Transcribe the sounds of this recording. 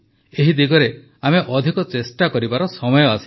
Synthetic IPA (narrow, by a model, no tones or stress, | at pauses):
eɦid̪iɡɔɾe | ameʔɔd̪ʱikɔt͡ʃesʈakɔɾibaɾɔsɔmɔjɔasi̥